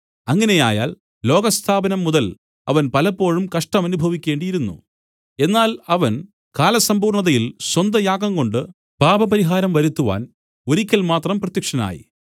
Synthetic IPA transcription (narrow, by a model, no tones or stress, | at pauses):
ɐŋːɐne̞ja̰ːja̰ːl | lo̞ːɡɐst̪ʰaːbɐnɐmːuðɐl | ɐ̰ʋɐnpɐlɐpːo̞ːɻumkɐʂʈɐmɐnubʱɐʋikʲːe̞ːɳɖijiɾunːṵ | e̞nːaːlɐʋɐn | kaːlɐsɐmbuːrɳɐðɐjilswɐnd̪ɐjaːɡɐŋko̞ɳɖɨ | b̥ʱaːbɐpɐɾiɦaːɾɐmʋɐɾut̪ːuʋa̰ːn | o̞ɾikʲːɐlmaːt̪rɐmprɐt̪jɐkʂɐna̰ːjḭ